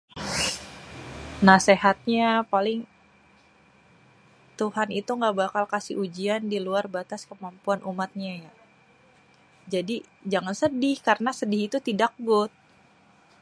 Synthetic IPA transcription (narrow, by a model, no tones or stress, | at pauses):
naseɦat̪̚ɲapalɪŋ | t̪uhanit̪uŋɡabakalkasɪ̰ʔud͡ʒiandiluarbat̪askəmampuanʔumat̪̚ɲaja | d͡ʒadi | d͡ʒaŋansədɪhkarənasədɪhit̪ut̪idak̚ɡʊt̪̚